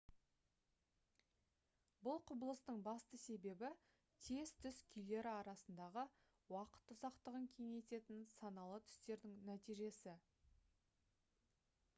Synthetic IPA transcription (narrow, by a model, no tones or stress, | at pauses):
bʊlˠqʰʊbəlˠəst̪əɴbɑst̪əse̞be̞bɪ | t̪ʰe̞zt̪ʰʏskʲʰʏjle̞ɾɪɑɾɑsənd̪ɑʁə | wɑqə̥t̪ːʊzɑqt̪əʁəŋkʲʰe̞ŋe̞t̪e̞t̪ɪnsɑnɑlˠət̪ʰʏ̥st̪e̞ɾd̪ɪŋnæt̪ijʒe̞sɪ